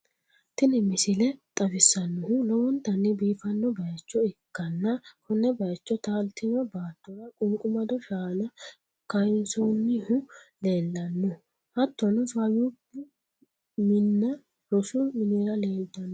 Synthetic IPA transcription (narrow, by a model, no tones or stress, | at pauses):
t̪ɪnɪmɪsɪlɛt̪ʼɐfɪsːɐnːʊhʊlɔwɔnt̪ːɐnːɪbiːfɐnːɔbɐjɐt͡ʃːɔɪkːɐnːɐkʰɔnːɛbɐjɐt͡ʃːɔt̪aːlt̪ɪnɔbaːt̪ːɔɾɐkʼʊŋkʼʊmɐd̪ɔʃaːnɐ | kɐjɪnsɔnːɪhʊle̞ːlːɐnːɔ | hɐt̪ːɔnɔsaːjub | mɪnːɐ | ɾɔsʊmɪneɾɐle̞ːld̪ɐnːɔ